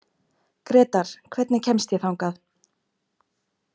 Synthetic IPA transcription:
kɾɛːt̪aɾ̥kʰvɛt̪nɪcʰɛmst̪jɛθawŋkaθ

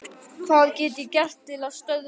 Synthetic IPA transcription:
θaðcɛːt̪ɪcɛr̥t̪ʰːɪlaðst̪œɥð

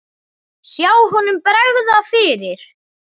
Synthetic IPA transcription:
sjaːwɦɔnʏmpɾɛɣðafɪːɾɪɾ̥

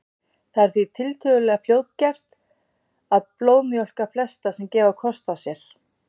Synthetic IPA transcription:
θaɛɾ̥θit̪ʰɪlt̪ʰœɣʏlɛɣafljoːwt̪cɛr̥t̪ | aðploːwmjɔl̥kaflɛst̪asɛmcɛːvakʰɔst̪awsjɛɾ̥

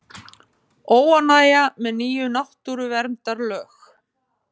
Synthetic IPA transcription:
oːwanaːjamɛðniːjʏnaht̪uɾʏvɛɾmt̪aɾlœːx

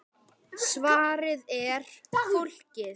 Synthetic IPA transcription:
svaːɾɪðɛɾ̥ʊl̥cɪ

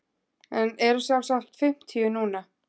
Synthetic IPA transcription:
ɛnɛɾʏsjavsaht̪fɪm̥t̪ʰiʏnuːna

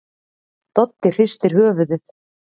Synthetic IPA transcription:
t̪ɔt̪ːɪɾ̥fɪst̪ɪɾ̥hœːvʏðɪθ

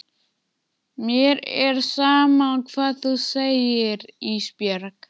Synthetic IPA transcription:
mjɛɾɛɾ̥saːmaukʰvaːðθuseːjɪɾispjœɾak

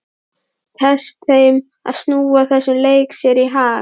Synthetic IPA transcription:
θʰɛst̪θejm | a̰snuwaθɛsʏmlejksjɛɾiɦaː

